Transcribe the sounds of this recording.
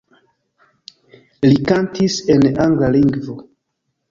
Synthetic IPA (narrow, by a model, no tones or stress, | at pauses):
likantise̞naŋɡlaliŋɡvo